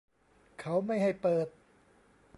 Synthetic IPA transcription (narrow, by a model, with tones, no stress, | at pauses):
kʰa˦˥wma˥˩jɦa˥˩jpɤː˨˩t̪̚